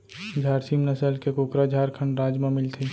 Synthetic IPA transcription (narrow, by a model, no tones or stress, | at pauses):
d͡ʒʱaːɾsimnəsəlkekoːkɾad͡ʒʱaːɾkʰə̃ɳɖɾaːd͡ʒmãmɪlt̪ʰi